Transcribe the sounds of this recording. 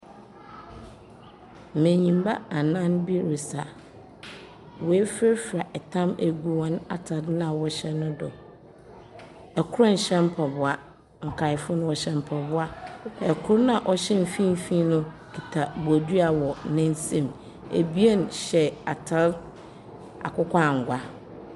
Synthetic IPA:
mẽ˨ɲĩ˨mba̰˦a˨nã˦nbi˦ɾe˨sa˨ | wɔ˨ɛ˦fe˦ɾfɾa˨ʔɛ˨tʰã˦mæ˨ɡu˦wɔ̃˦na̰˨tʰa˨dlã˦˨wɔ˦ɕɛ˦nʊ̃˦dɔ̰˨ | ɛ˨kʰʊ˦ɾa˦n̩˨ɕɛ̃˦m̩˦pʰɔ˨bʊ˨a˨ | ŋ̩˨kʰa˨ɪ˨fʊ˦nʊ̃˦wɔ˨ɕɛ˦m˦pʰɔ˨bʊ˦a˦ɛ˨kʰʊ˦ɾnã˨ʔɔ˨ɕɛ˦m̩˨fĩ˦m̩˦fĩ˦nʊ̃˦ | kʰi˨tʰa˨bʊ˨æ˨du˦a˨wɔ˨nɪ̃˦n˦sẽ˦˨m | ḛ˨bi˦e˦n˨ɕɛ˨a˨tʰa˦ | a̰˨kʰʊ˦kʷʰa˦˨ŋ̩˨ɡʷa˦

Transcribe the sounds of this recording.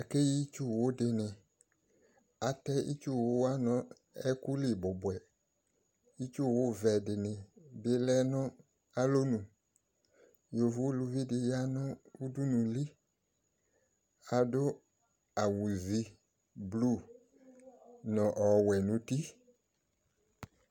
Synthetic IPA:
a˨ke˦ji˦t͡ʃu˦˨wo˦dɪ˨nɪ̃˨ | a˨tɛ˦ʔḭ˦t͡ʃu˦˨wʊ˦wa˦nɔ̃˦ | ɛ˦ku˦lɪ˦˨bʊ˨bwɛ˨ | i˦t͡ʃu˦˨wʊ˦vɛ˨dɪ˨nɪ̃˨bɪ˨lɛ˦nɔ̃˦ | a˦lo˦nũ˨ | jo˨vʊ˦lu˨vi˦dɪ˨ja˦nʊ̃˦u˦du˦nũ˨li˦ | a˨dʊ˦ | a˨wu˨zi˦ | blu˦ | nɔ̃˨ʔɔ˨wɛ˨nʊ̃˨ti˦

